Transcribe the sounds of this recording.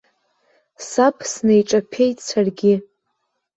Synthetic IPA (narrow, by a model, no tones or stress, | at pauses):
sapʰsnejʈ͡ʂʼapʰe̞jtʰʼt͡sʰarɡʲɪ